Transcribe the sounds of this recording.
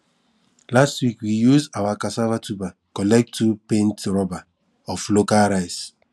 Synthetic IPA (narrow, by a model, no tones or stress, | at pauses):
lastwikwijuzawakasavatubakɔlɛk̚tupẽntɾɔba | ɔflokalɾaɪs